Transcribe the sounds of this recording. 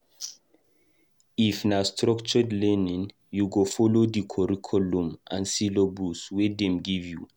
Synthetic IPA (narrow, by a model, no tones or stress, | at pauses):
ifnastʰɹɔkt͡ʃɔdlɛnĩn | juɡofɔlodikʰɔɹikʰɔlũmʔã̰nsilobuswɛdɛ̃mɡivju